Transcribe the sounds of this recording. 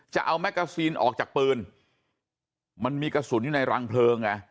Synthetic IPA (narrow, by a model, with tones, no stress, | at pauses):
t͡ɕa̰˨˩ʔa˧wmɛ˦˥kːaː˧siː˧nʔɔ̰ː˨˩k̚t͡ɕaː˨˩k̚pɤː˧n | ma˧nmiː˧ka˧suː˩˦njuː˨˩na˧jɾaː˧ŋpʰlɤː˧ŋːa˧